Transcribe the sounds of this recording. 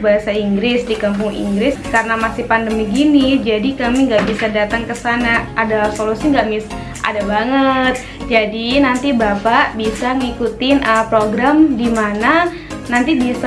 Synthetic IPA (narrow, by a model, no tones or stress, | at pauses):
baɦasaiŋɡɾɪsdikamp̬ʊŋḭŋɡɾɪskaɾənamasipandəmiɡinid͡ʒadikamiŋɡaʔbisadat̪aŋkəsanaadalasolusiŋɡaʔmis | ʔa̰dabaŋət̪̚ | d͡ʒadinant̪ibapaʔbisaŋikut̪ɪnʔəpɾoɡɾamdimana | nant̪ibis